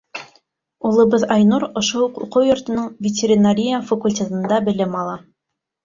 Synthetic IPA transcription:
ulˠɤ̆bɤðɑjnuɾŏʃohuqṵqɤwjŏɾt̪ɤ̆nɤɴvʲɪtʲeɾʲɪnaɾʲijafɐkulʲtʲet̪ɤ̆nd̪ɑbɘ̆lɘmɑlˠɑ

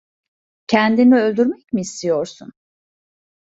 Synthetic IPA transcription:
cʰɛnd̪iniø̞lʲd̪yɾmɛcmiːst̪ʰijo̞ɾsun

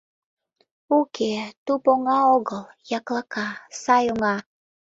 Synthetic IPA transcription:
ukʰet̪upoŋaoɡəl | jaklakasajoŋa

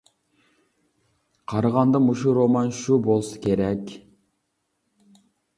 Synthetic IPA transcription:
qʰɑɾɑʁɑnd̪ɑmuʃuɾomɑnʃubolˠsɨ̥kʲʰeɾɛkʲ

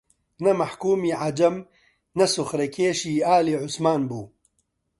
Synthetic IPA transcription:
nɐmɐħkuːmiːʕad͡ʒɐm | nɐsʊxɾɐkʰeːʃiːaːliːʕʊsmaːnbuː

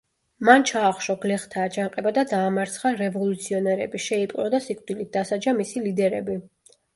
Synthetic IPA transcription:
mant͡ʃʰaːχʃɔɡlɛχt̪ʰaːd͡ʒanqʼɛbad̪ad̪aːmaɾt̪sʰχaɾɛvɔlut̪sʰiɔnɛɾɛ̰biʃɛipʼqʼlɔd̪asikʼd̪̥ilit̪̚d̪asad͡ʒamisilid̪ɛɾɛ̰bi

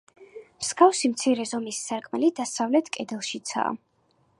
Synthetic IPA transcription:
skafsimt̪sʰiɾɛzɔmisːaɾkʼmɛlid̪asavlɛt̪ʰkʼɛd̪ɛlˠʃit̪sʰa̰ː

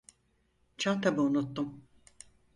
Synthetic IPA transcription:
t͡ʃʰant̪ʰabɯunut̪ːum

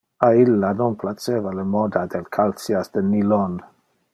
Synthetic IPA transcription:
ailːanɔnplat͡sevalemɔd̪ad̪elkʰalsiasd̪̥ənilɔn

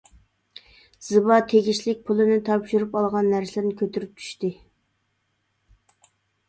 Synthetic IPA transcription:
z̥ɨbɑt̪ʰeɡʲiʃlɪk̚ʲpʰulˠɨnɪt̪ʰɑpʃyɾypɑlˠʁɑnːæɾsɪlɪɾnɪkʲʰøt̪ʰyɾyp̚t͡ʃ̪ʰy̥ʃt̪ɪ

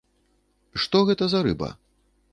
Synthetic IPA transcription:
ʂt̪ɔɣɛt̪ɐzɐɾɨ̰bɐ̰

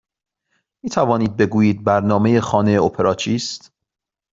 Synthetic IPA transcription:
miːt̪ʰævɒːniːd̪̚be̞ɡuːjiːd̪̚bæɾnɒːme̞je̞xɒːneeopʰe̞ɾɒːt͡ʃʰiːst̪

